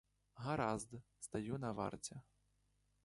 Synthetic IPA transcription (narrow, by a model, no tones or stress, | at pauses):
ɣaɾazd̪st̪ajunɐva̰rt͡sʲɛ